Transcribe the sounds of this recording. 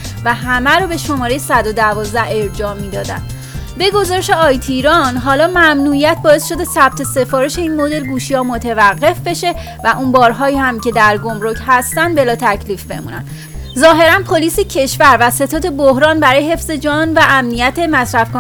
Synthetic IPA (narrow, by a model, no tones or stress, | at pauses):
væɦæmæɾɔːbe̞ʃo̞mɒːɾe̞jesæd̪od̪ævɒːzd̪æe̞ɾd͡ʒɒːmiːd̪ɒːd̪æ̰nd̪ | be̞ɡo̞zɒːɾeʃe̞ɒːjt̪ʰiɾɒnɦɒːlɒːmæmnuijæt̪̚ʰbɒːe̞sʃo̞d̪e̞sæb̥̚t̪ʰe̞se̞fɒːɾeʃe̞iːnmod̪e̞lɡuːʃihɒːmot̪ʰevæɢːe̞fbe̞ʃe̞ | væʔunbɒːɾɦɒːihæmcʰe̞d̪æɾɡo̞mɾocʰhæst̪ænd̪be̞lɒːt̪ʰæcʰliːfbe̞̰mṵːnæ̰n | zɒːɦe̞ɾænpʰoliːsicʰe̞ʃvæɾvæse̞t̪ʰɒːd̪e̞bohɾɒːnbæɾɒːjeɦe̞fz̥e̞d͡ʒɒːnvæʔæmnijæt̪ʰe̞mæsɾæfkː